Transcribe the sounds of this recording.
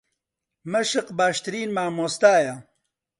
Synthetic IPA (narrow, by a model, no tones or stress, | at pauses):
mɐʃɨqbaːʃt̪ɨɾiːnmaːmoːst̪aːjɐ